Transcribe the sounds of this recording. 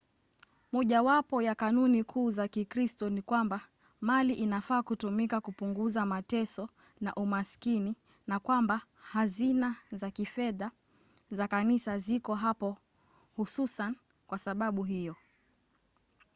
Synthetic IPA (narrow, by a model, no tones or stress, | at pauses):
mɔʄawapɔjakanunikʰuːzakikɾistɔnikwamba | maliʔinafaːkutumikakupuŋɡuzamatɛsɔ | na̰ʔumaskini | nakwamba | hazinazakifɛða | zakanisazikɔɦapɔ | hususan | kwasaɓaɓuɦijɔ